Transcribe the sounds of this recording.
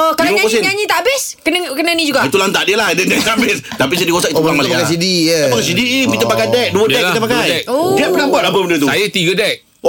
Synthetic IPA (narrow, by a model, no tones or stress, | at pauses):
okalaɲakɔs̬ɪɲaɲĩt̪abɪs | kənəkənənĩd͡ʒuɡait̪ulant̪aʔdiəlahdədɛkamɪs | t̪apisidikosaitulaaas̬idijəbəŋs̬idipit̪əpakajdɛk̚duədɛkltapakajdɛk̚odiəpənambat̪apəbənət̪usajət̪iɡədɛk̚